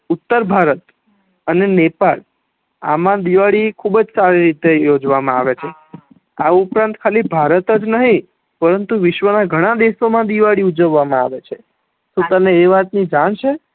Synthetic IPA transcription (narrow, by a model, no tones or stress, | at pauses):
ut̪ːəɾbʱaɾət̪ | ənenepal | a̰mãd̪iʋaɭikʰubəd͡ʒsaɾiɾit̪ejod͡ʒʋamãaʋet͡ʃʰe | aupɾãnt̪kʰalibʱaɾət̪əd͡ʒnəɦĩ | pəɾənt̪uʋɪʃʋənaɡʱəɽ̃ãd̪esomãd̪iʋaɭiud͡ʒəʋːamãa̰ʋet͡ʃʰe | sũt̪əneːʋat̪nid͡ʒaɳ̃ʃʰe